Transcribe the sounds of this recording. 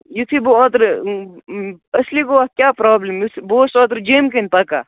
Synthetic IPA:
jut̪ʰiboaːt̪ɾ | ɐslikoat̪̚kʲjaːpɾaːblemjut̪ʰboːsɔːt̪ɾd͡ʒemkɐnpɐka̰ː

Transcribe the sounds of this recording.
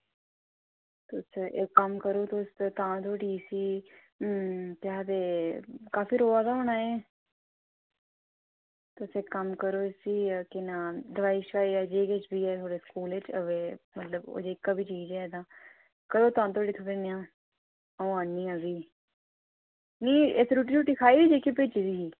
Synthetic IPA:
t̪ʊsekəmkəɾoːt̪ost̪ãːt̪ʰoːɽiːsiː | t̪aːd̪eːkaːfiːɾoːaːd̪aoːɳaːeː | t̪ʊseːkəmkəɾoːsiːkɪnãːd̪əʋaːiːʃkaːiːɛːd͡ʒeːket͡ʃbiːɛːt̪ʰoːɽeːskuːlet͡ʃəʋeːmət̪ləbo̰ːd͡ʒeːkːaːbʱiːt͡ʃiːd͡ʒɛːd̪ãː | kəɾoːt̪ãːt̪ʰoːɽiːt̪ʰoːɽeːnɪjãː | õːãːnːĩːãːbiː | niːesɾuːʈ̬iːɾuːʈiːkʰaːiːbiːd̪eːkʰːiːpeːt͡ʃidiːsiː

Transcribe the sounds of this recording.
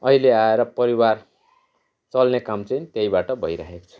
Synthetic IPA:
ʌɦileaeɾʌpʌɾiwar | t͡sʌlnekamt͡sʌj̃t̪ejbaʈʌbʱʌjɾa̰ɦeko̥t͡sʰu̥

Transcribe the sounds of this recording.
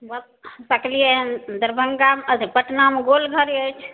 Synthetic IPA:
bət̪̚ | səklijed̪əɾbʱəŋɡaməd̪ʱipəʈnameɡolɡʱəɾiət͡ʃʰ

